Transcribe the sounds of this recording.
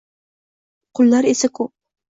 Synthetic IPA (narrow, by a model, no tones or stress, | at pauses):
qʰʊlˠːɑɾesɪkʊ